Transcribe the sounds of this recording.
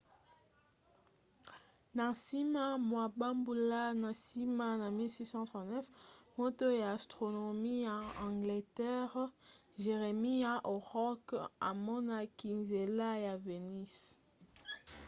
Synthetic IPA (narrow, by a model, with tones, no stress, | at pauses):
na˨si˦ma˦mwa˨ba˦mbu˨la˦na˨si˦ma˦na˨mi˦lsi˦sɑ̃˦tʁɑ̃˨tnɛ˦fmo˦to˦jaː˨stʁo˨no˨mi˦ja˨ɑ̃˨ŋɡle˨tɛ˦ʁ | ʒe˨ʁe˨mi˦ja˨ʔo˨ʁɔ˦ka̰˨mɔ˦na˦ki˨nze˨la˦ja˨ve˨ni˦s